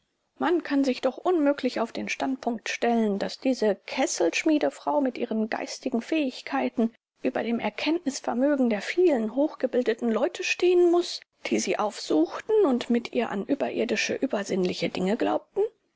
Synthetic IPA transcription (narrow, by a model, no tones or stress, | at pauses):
mankʰanzɪçd̥ɔχʔʊnmøːklɪçaʊfd̥eːnʃtantpʰʊŋktʃtɛləndasd̥iːzəkʰɛsl̩ʃmiːdəfʁ̥aʊmɪtʔiːʁ̞ənɡa̰ɪstɪɡŋ̩fɛːɪçkʰaɪtn̩ | ʔyːbɐ̰deːmʔɛɐkʰɛntnɪsfɛɐmøːɡŋ̩deːɐfiːlənɦoːxɡ̥əbɪldətn̩lɔʏtʰəʃteːənmʊsd̥iːziːʔaʊfz̥uːxtn̩ʊntmɪtʔḭːɐʔa̰nʔyːbɐʔɪ̰ɐdɪʃə̰ʔyːbɐzɪnlɪçədɪŋəɡla̰ʊp̚tn̩